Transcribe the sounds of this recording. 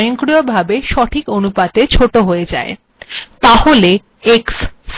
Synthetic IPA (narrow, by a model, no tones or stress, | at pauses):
joŋkɾijobʱabeʃɔʈʰikonupat̪et͡ɕʰoʈoɦoed͡ʑa̰e | t̪ahole | ekss